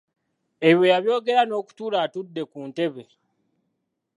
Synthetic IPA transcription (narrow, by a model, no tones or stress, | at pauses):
e̞βjo̞jaβjo̞ːɡe̞ɾano̞ːku̥tuːlaːtudːe̞kuːnte̞βe̞